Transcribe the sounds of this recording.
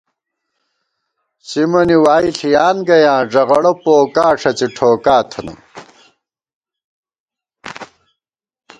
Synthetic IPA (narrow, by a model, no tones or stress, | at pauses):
simɐniwaːiɬijaːnɡɐjãːʐɐʁɐɽɐpoːkaːʂʰɐt͡siʈʰoːkaːt̪ʰɐnɐ̰m